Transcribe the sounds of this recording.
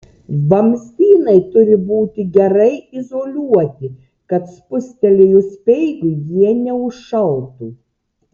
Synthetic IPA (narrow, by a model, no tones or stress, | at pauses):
bɐmʲsʲt̪ʲiːnɐɪt̪ʊɾʲɪbuːt̪ʲɪɡʲɛɾɐɪɪzoːlʲuɔt̪ʲɪ | kɐt̪spʊsʲt̪ʲɛlʲejʊsʲpʲɛɪɡʊjiɛnʲɛʊʃʃɐʊt̪u